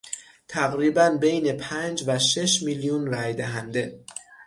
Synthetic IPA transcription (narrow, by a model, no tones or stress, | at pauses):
t̪ʰæɣɾiːbænbe̞jne̞pʰænd͡ʒvæʃe̞ʃmiljunræjd̪æɦænd̪e̞